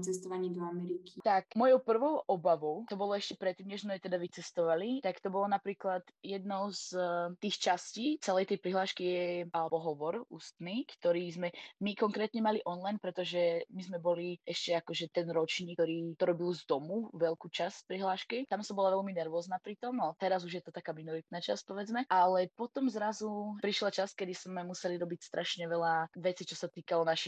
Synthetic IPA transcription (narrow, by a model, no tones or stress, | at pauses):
t͡sɛst̪ɔʋaɲɛd̪ɔamɛɾikʰit̪akmɔjɔʊpr̩ʋɔʊʔɔbaʋɔʊt̪ɔbɔlɔɛʃcɛpɾɛt̪ːiːmɲɛʒzmɛt̪ɛd̪aʋit͡sɛst̪ɔʋalit̪akt̪ɔbɔlɔnapɾiːklat̪jɛd̪̚nɔʊzt̪iːxt͡ʃasciːt͡sɛlɛjt̪ɛjpɾiɦlaːʃkijɛalɛbɔɦɔʋɔɾṵːst̪niːkt̪ɔɾiːzmɛmikɔŋkɾɛːt̪ɲɛmaliʔɔnlajnpɾɛt̪ɔʒɛmizmɛbɔliʔɛʃcɛakɔʒɛt̪ɛnɾɔt͡ʃɲiːk̚t̪ɔɾiːt̪ɔɾɔbilzd̪ɔmuʋɛlkuːt͡ʃaspɾiɦlaːʃkit̪amsɔmbɔlaʋɛlminɛɾʋɔːznapɾit̪ɔmat̪ɛɾazuʒjɛt̪ɔt̪akaːminɔɾit̪̚nat͡ʃa̰spɔʋɛd͡zmɛalɛpɔt̪ɔmzɾazupɾiʃlat͡ʃaskɛd̪iz̥mɛmusɛliɾɔbicst̪ɾʔaʃɲɛʋɛlaʋɛt͡sit͡ʃɔsat̪iːkalɔnaʃi